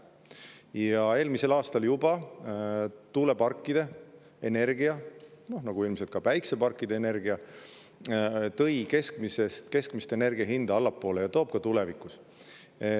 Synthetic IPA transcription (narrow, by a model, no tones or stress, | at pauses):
jɑe̞ːlmise̞lɑːst̪ɑljubɑ | t̪uːle̞pɑrkːid̪̥e̞ | ene̞rɡiɑno̞hnɑɡ̥uilmse̞lt̪kɑpæjksepɑrkˑːid̪̥e̞ene̞rɡiɑ | t̪ɤ̞jke̞skmisest̪ke̞skmist̪e̞ne̞rɡ̥iɑɦind̪̥ɑɑlːɑpːˑo̞ːlejɑt̪o̞ːb̥̚kɑt̪ulevikːˑus